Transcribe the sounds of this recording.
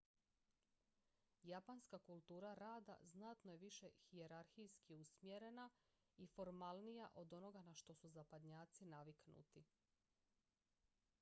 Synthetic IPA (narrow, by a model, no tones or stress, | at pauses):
japanskakulˠt̪uːɾaɾaːd̪a̰znat̪noje̞ʋiʃe̞xie̞ɾaɾxijskiusmjeɾe̞na | ifo̞ɾmalˠnijaʔo̞d̪o̞no̞ɡanaʃt̪o̞suzapad̪ɲaːt̪sinaʋiknṵt̪i